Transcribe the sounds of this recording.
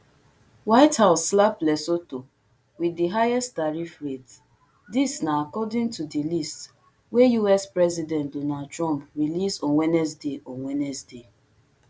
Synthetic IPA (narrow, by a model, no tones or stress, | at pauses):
waɪthaʊsːlaplɛsoto | widiɦajɛstdaɹifɹet | disnaakɔdɪ̃ŋtudilist | wejuɛspɹɛzidɛ̃ntdonadtɹɔ̃mpɹilisɔ̃nwɛnɛs̬deʔɔ̃nwɛnɛsde